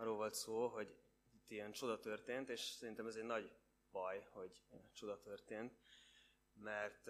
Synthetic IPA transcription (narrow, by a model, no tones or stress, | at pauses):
rːoːlvo̞lt̪soːlɦo̞ɟ | it̪ːiɛnt͡ʃo̞d̪ɒt̪ø̞rt̪eːnt̪eːʃsɛɾint̪ɛmɛzɛɟnɒɟ | bɒjho̞ɟt͡ʃo̞d̪ɒt̪ørt̪eːnt̪̚ | mɛrt̪